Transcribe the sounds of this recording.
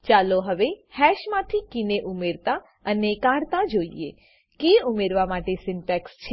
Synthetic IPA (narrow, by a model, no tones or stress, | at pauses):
t͡ʃaloɦəʋehɛʃmãt̪ʰikɪneʔumeɾt̪a | ənekãɾt̪ad͡ʒoḭḛ | keumeɾʋamaʈesɪnʈɛkst͡ʃʰe